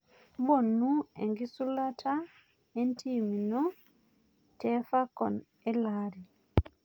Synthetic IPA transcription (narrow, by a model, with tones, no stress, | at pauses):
bɔ˦˨nu˦ɛ̰˨ŋɡi˦su˦la˦tʰa˦ | e˦ntʰi˦mi˨nɔ˦ | tɛ˦fa˦kɔ̰˨n | ɛ˦la˦ɾi˨